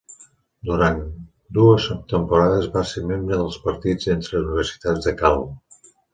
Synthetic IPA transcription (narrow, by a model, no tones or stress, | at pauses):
d̪uɾan | d̪uəst̪əmpuɾaðəzβaseɾmembɾəðəlˠspəɾt̪id͡zent̪ɾəuniβ̞əɾsi̥t̪ad͡zðəkal